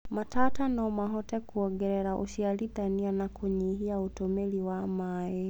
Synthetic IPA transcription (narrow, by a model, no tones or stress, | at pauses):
matatanɔmaɦɔtɛkuɔɡɛɾɛɾaʔṵʃialiɗanianakuɲiɦiautɔmɛliwamajɛ